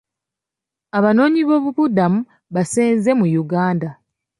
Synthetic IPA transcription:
aβano̞ːɲiβo̞ːβuβudamu | βaseːnze̞mujuɡaːnda

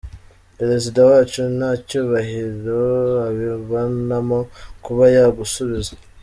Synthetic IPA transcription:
peɾe̞zidawaːt͡ʃunacuːβaɦiɾoaβiβonamokuβajaɡusuβizḁ

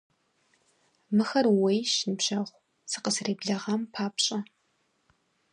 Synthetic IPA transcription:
mɨxɐrwejʃnɨpɕɐχʷ | sɨqəsreːbɮɐʁɐmpʰaːpɕʼɐ

